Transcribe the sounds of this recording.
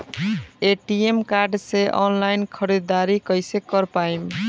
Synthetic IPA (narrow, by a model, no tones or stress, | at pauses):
eʈiemkaɾɖseʔɔ̰nlajnkʰəɾid̪d̪aɾikʌjsekəɾpaim